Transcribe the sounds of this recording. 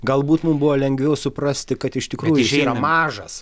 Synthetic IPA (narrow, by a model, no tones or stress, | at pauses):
ɡɐlˠbuːt̪mʊmbʊʋoːlʲɛŋʲɡʋʲɛʊsʊpɾɐsʲt̪ʲɪkɐt̪ɪʃt̪ʲɪkɾuːjɪʃiːɾɐmɑːʒɐs